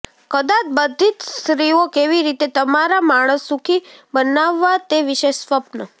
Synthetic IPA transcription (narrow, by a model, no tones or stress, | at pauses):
kəd̪at̪bəd̪ʱit̪sɾiokeʋiɾit̪et̪əmaɾamaɽ̃əsːukʰibənaʋːat̪eʋiʃeʃsʋəpnə